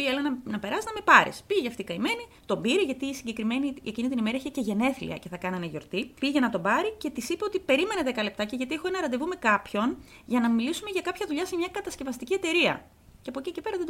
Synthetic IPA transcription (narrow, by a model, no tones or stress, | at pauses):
ielɐnɐnɐpe̞ɾɐsiznɐme̞pɐɾḭspiʝɐft̪ikɐime̞nit̪o̞mbiɾiʝɐt̪iːsiɲɟe̞kɾimeniecinit̪inimeɾɐeçeceʝe̞ne̞θlḭɐ̰ce̞θɐkɐnɐneʝo̞ɾt̪ipiʝɐnɐt̪o̞bɐɾice̞t̪isipeot̪ipe̞ɾime̞neðe̞kɐle̞p̚t̪ɐce̞ʝɐt̪iexoenɐɾɐnd̪evume̞kɐpço̞n | ʝɐnɐmilisume̞ʝɐkɐpçɐðuʎɐse̞mɲɐkɐt̪ɐsce̞vɐst̪iciet̪e̞ɾiɐ̰ | ceɐpocicepe̞ɾɐðed̪